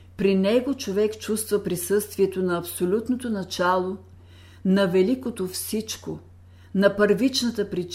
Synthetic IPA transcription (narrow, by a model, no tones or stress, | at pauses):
pɾinɛɡot͡ʃovɛkt͡ʃust̪vəpɾisɤst̪viɛt̪onɐɐpsolʲut̪not̪onɐt͡ʃalˠo | nɐvɛlikot̪ofsit͡ʃko | nɐpəɾvit͡ʃnət̪əpɾit͡ʃ